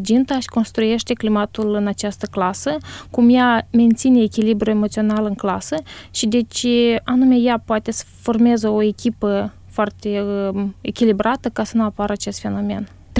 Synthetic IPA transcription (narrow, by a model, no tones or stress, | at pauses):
d͡ʒint̪aʃi̥ko̞nst̪ɾuje̞ʃt̪e̞klimat̪ulɨnat͡ʃast̪əklasəkumjame̞nt̪sine̞ːkʲilibɾue̞mot̪sio̞nalɨŋklasəʃid̪e̞t͡ʃanumejapoat̪e̞sə̥fo̞rmezəo̞e̞kʲipə | foart̪e̞ekʲilibɾat̪əkasənuapaɾat͡ʃe̞st̪fe̞no̞me̞̰n